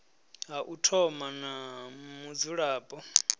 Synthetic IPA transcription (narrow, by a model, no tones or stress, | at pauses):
ɦaʔutʰɔmanamud͡zuɺaːpʼɔ